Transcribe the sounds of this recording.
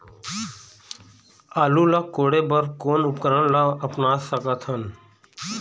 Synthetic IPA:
aːlulakoːɽebəɾkoːnʊpkəɾənlaəpnaːsəkət̪ʰhən

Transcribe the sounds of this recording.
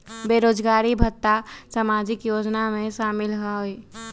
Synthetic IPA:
beːɾoːd͡ʒɡaːɾibʱət̪ːasamaːd͡ʒɪkjoːd͡ʒnamẽʃaːmɪlɦɛi

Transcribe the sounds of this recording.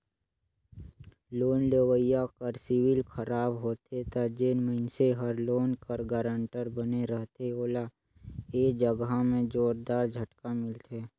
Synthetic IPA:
loːnlewəijakəɾsɪwɪlkʰəɾaːbɦoːt̪et̪ad͡ʒenməɪnseɦəɾloːnkəɾɡaːɾə̃ɳʈəɾbəneɾəɦt̪eoːla | eːd͡ʒəɡɦamẽd͡ʒoːɾd̪aːɾd͡ʒʱəʈkamɪlt̪eː

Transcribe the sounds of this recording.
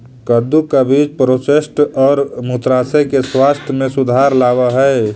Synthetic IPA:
kəd̪ukabʱiːt͡ʃpɾotesʈɔːɾmut̪ɾaːsekeswast̪ʰjəmẽsʊd̪ʱaːɾlaːwaɦɛe

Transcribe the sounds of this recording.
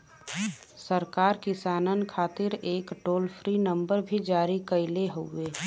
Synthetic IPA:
səɾkaːɾkɪsaːnənkʰaːt̪ɪɾeːkʈoːlpʰɾinə̃mbəɾbʱid͡ʒaːɾikəɪleɦoeː

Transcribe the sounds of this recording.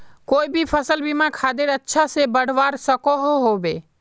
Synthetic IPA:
koibʱipʰəsəlbimãkʰad̪eɾətːʃʰasebəɽ̤ʋaɾsəkɔɦoɦobe

